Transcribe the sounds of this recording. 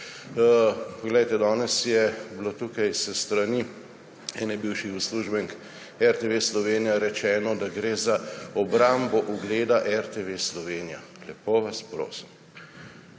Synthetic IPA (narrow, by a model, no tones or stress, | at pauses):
pɔɡlɛjt̪ɛd̪ɔːnɛsjɛblot̪ukajsəst̪ɾani | ɛnɛbiwʃixusluːʒbɛŋk | ɛɾt̪eʋeslɔʋeːnijaɾɛt͡ʃɛːnɔd̪aɡɾeːzaɔbɾambɔʔuɡleːd̪aʔɛɾt̪eʋeslɔʋeːnija̰ | lɛpoːʋaspɾo̰ːsim